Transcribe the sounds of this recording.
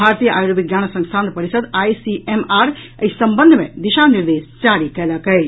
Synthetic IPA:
bʱaɾt̪ijəʔajoɾʋiɡjanəsə̃ŋst̪ʰãnd̪̚pəɾisəd̪ajsiʔemaɾəisəmbənd̪ʱmḛd̪iʃaniɾd̪est͡ʃaɾikɛləkə

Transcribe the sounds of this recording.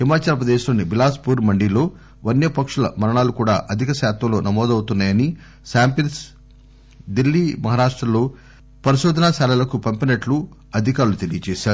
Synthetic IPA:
himaːt͡ʃaːlɐpɾɐd̪eːʃloːnːibilaːspuːɾmɐɳɖilo̞ː | ʋɐnjɐpɐkʂulɐ̰mɐɾɐɳaːlukuːɽaːʔɐd̪ʱikɐʃaːt̪ʋɐlo̞ːnɐmɔːd̪ɐwt̪unːaːjɐni | ʃaːmpijɐns | d̪ilːiːmɐɦaːɾaːʂʈɾɐlo̞ː | pɐɾiʃɔːd̪ʱɐnaːʃaːlɐlɐkupɐmpinɐʈlu | ɐd̪ʱikaːɾulut̪elijɐt͡ʃɛːʃaːɾu

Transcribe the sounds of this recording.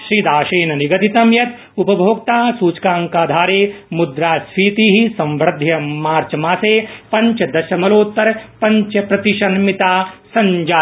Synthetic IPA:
ʃɾiːd̪aːʃeːnɐniɡɐt̪it̪ɐmjɐt̪ | upɐbʱoːk̚t̪aːsuːt͡ʃkaːŋkaːd̪ʱaːɾeːmud̪ɾaːsɾiːt̪iːɦisɐ̃mʋɾɐd̪ʱjɐmaːɾt͡ʃɐmaːseːpɐ̃ɲt͡ʃɐd̪ɐʃɐmɐloːt̪ːɐɾpɐ̃ɲt͡ʃɐpɾɐt̪iʃɐnmit̪aːsɐɲd͡ʒaː

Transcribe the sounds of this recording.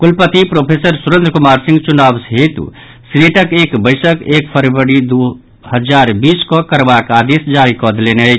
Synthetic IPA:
kulpət̪ipɾopʰesəɾsuɾə̃nd̪ɾəkumaɾsĩŋɡt͡ʃunabsɦet̪ṵ | sineʈəkekbəjsəkekpʰəɾʋəɾid̪u | həd͡ʒaɾbiskɔkəɾbakad̪esd͡ʒaɾikɔd̪leneət͡ʃʰ

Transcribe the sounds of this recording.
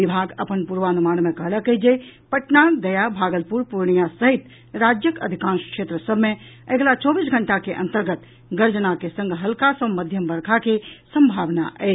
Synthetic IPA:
ibʱaɡəpənpuɾʋanumanmekəɦləkəd͡ʒepəʈnad̪əjabʱaɡəlpuɾpuɾɳijasəɦit̪ | ɾad͡ʒjəkə̰d̪ʱikãnskʂet̪ɾəsəbʱmeəɡlat͡ʃɔbisɡʱəɳʈakeʔə̰̃nt̪əɾɡət̪ | ɡəɾd͡ʒənakesə̃ŋɡʱɦəlkasəməd̪ʱjəmbəɾkʰakesəmbʱaʋna̰ʔɛ

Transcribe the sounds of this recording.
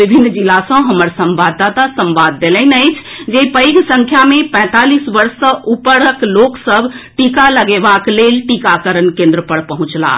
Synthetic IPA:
bibʱinːd͡ʒilasə̃ɦəməɾsəmbad̪ːat̪asə̃mbad̪ːeləɪnəɪt͡ʃʰd͡ʒepəjɡsə̃ŋkʰjamepɛ̃t̪alisʋəɾsə̃ʔupəɾəkloksəbʱʈikaləɡebaklelʈikakəɾənkẽnd̪ɾəpəɽpəɦũt͡ʃla̰

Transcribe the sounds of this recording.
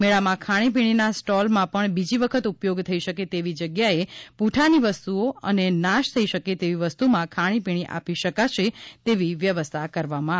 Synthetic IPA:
meɭamãkʰaɽ̃ip̬iɽ̃inasʈɔlmãpəɳbid͡ʒiʋəkʰət̪upjoɡt̪ʰəiʃəket̪eʋid͡ʒəɡjaepuʈʰaniʋəst̪uoə̰nenaʃt̪ʰəiʃəket̪eʋiʋəst̪umãkʰaɽ̃ipiɽ̃iʔa̰piʃəkat͡ʃʰet̪eʋiʋjəʋəst̪ʰakəɾʋamã

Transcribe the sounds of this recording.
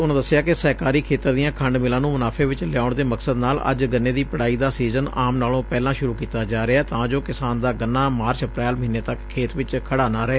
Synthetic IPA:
ʊñːd̪əsːɪjaːkɪsəːkaːɾiːkʰeːt̪əɾd̪ɪjãːkʰəɳɖmɪlãːnũːmənaːpʰeːʋɪt͡ʃlɪjaːʊɳd̪eːməksəd̪naːlə̰d͡ʒɡənːeːd̪iːpəɽaːiːd̪aːsiːzənaːmnaːlõːpɛːlãːʃʊɾuːkiːt̪aːd͡ʒaːɾɪaːt̪ãːd͡ʒoːkɪsaːnd̪aːɡənːaːmaːɾt͡ʃəpɾɛːlməɦɪnːeːt̪əkʰːeːt̪ʋɪt͡ʃkʰəɽaːnãːɾɛeː

